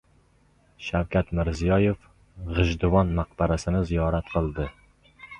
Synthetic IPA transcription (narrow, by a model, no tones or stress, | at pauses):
ʃawkʲʰat̪mɪɾzijɒjef | ʁɨʒd̪ʊwɒnmaq̚baɾasɪnɪzijɒɾat̪qʰɨlˠd̪ɪ